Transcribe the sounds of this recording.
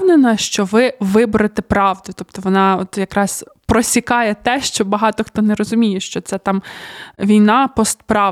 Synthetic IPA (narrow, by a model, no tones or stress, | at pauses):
nenɐʃt͡ʃɔʋɪʋɪbʊɾɐt̪ɛpɾɑʋd̪ʊt̪ɔp̚t̪ɔʋɔnɑɔt̪jɐkɾɑs | pɾɔsʲikɑjɛt̪ɛʃt͡ʃɔbɐɦɑt̪ɔxt̪ɔnɛɾɔzʊmʲijɛʃt͡ʃɔt̪sɛt̪ɑmʋʲijnɑpɔst̪pɾɑ